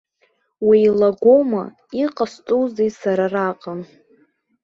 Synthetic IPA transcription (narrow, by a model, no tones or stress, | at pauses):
wilaɡʷoma̰ | iqʼastʼuzejsaɾaraqʼam